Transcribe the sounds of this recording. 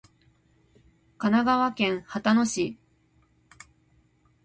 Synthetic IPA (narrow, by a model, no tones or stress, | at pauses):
kanaɡaβakẽ̞ɰ̃hat̪ano̞ɕi